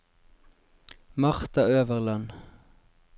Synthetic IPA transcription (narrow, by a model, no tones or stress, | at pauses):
mɑʁt̪ɑøːʋəʁlɑn